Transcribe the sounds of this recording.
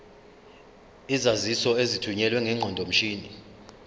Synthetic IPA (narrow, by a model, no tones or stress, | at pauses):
izazisɔezitʰuɲɛlwɛŋɛŋ͡ǃʱɔndʱom̩ʃiːni